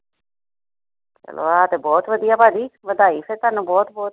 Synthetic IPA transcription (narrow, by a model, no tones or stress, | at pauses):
t͡ʃə̰lo̰ːaːt̪eːbɔːt̪ʋəd̪ijaːpaːd̪iːʋəd̪aːiːsʰet̪aːnũːbɔːt̪bɔːt̪